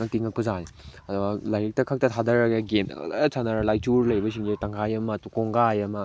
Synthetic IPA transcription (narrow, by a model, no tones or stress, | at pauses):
nɐk̚tiŋɐk̚pɐzaniɐduɡɐlajɾik̚tɐkʰɐk̚tɐtʰadɐɾɐɡeɡen̰lesʰanɐɾɐlajtuɾlɐjbɐsiŋzetaŋkʰajɐmɐtukoŋɡajɐmɐ